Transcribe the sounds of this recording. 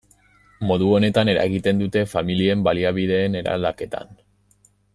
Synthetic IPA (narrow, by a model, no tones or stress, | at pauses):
mo̞ðuo̞ne̞t̪ane̞ɾa̰eɣit̪e̞nd̪ut̪e̞familie̞mbaliaβiðe̞ːne̞ɾa̰ld̪ake̞t̪a̰n